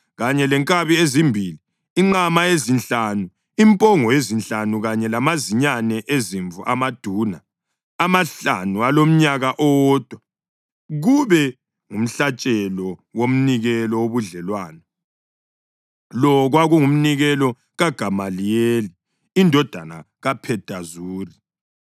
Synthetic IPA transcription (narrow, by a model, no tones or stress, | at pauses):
ɣaɲɛlɛŋkʼaβiezimbʱiliː | ŋ͡ǃamaezint͡ɬanu | impʼɔŋɔezint͡ɬanuɣaɲɛlamaziɲanɛʔeziɱvṵʔa̰mad̥ʱuːna | amaɬa̰nualom̩ɲaɣaʔɔwɔːd̥ʱwa | ɣuβɛ | ŋum̩ɬat͡ʃʼɛlɔwom̩niɣɛlɔwoβuɮɛlwaːnɔ | lɔɣwaɣuŋum̩niɣɛlɔ | ɣaɡ̥ʱamalijeli | indʱɔd̥ʱana̰ | ɣapʰɛd̥ʱazuːri